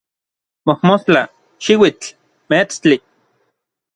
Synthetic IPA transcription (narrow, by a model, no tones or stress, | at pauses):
mohmost͡ɬa | ʃiwit͡ɬ | met͡st͡ɬi